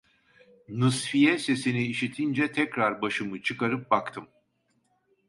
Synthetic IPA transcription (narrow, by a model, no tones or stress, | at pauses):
nɯsfijɛse̞siniːʃit̪ʰind͡ʒɛt̪ʰɛcɾaɾbaʃɯmɯt͡ʃʰɯkaɾɯp̚bakt̪ʰɯm